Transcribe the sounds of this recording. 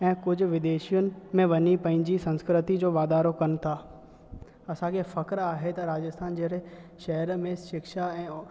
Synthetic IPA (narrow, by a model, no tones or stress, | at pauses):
ɛ̃ːkʊd͡ʑʱʊ̆ʋɪd̪eːʃijʊnɪ̆mẽʋɐɲipɐ̃ɦɪ̃ɲd͡ʑisɐ̃nskɾɪt̪id͡ʑoːʋaːd̪aːɾokɐnɪ̆t̪ʰaː | ɐsãkʰefɐkɾaːɦet̪ɐɾaːd͡ʑəst̪ʰaːnd͡ʑeɾeʃɐɦəɾmẽʃɪkʃaɛ̃ː